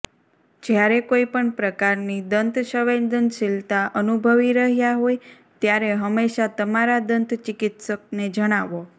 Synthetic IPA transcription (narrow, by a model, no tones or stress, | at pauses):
d͡ʒjaɾekoipəɳpɾəkaɾnid̪ənt̪ʃəʋend̪ənʃilt̪aʔənubʱəʋiɾəɦjaɦoj | t̪jaɾeɦəmːeʃat̪əmaɾad̪ənt̪t͡ʃɪkɪt̪sək̚ned͡ʒəɽ̃aʋo